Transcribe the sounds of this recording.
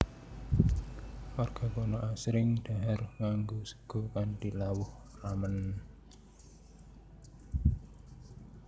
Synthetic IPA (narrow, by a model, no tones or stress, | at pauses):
warɡ̥a̤konɔʔasɾɪŋd̥aɦarŋaŋɡosə̥ɡ̥o̤kantilawʊh | ramən